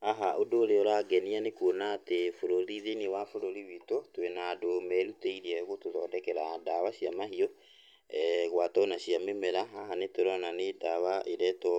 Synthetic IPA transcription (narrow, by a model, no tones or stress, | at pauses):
aɦaʔodoːɾeoɾaɡɛnianekonaːtefoɾoɾiðenewafoɾoɾiwitotwenaːdomɛɾuteiɾiɛoɣotoðɔdɛkɛɾadawaɕiamaɦiɔ | ɛɣwatɔnaɕiamemɛɾaɦaɦanetoɾɔnanedaβaʔeɾɛtɔ